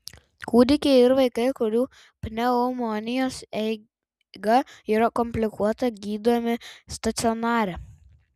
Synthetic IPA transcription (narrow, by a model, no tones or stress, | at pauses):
kuːd̪ʲɪkʲeɪɾʋɐɪkɐɪkʊɾʲuː | pʲnʲɛomɔnʲɪjoːsɛɪ | ɡɐiːɾɐkɔmʲpʲlʲɪkuɔt̪ɐɡʲiːd̪oːmʲɪst̪ɐt̪sʲɪɔnɑːɾʲɛ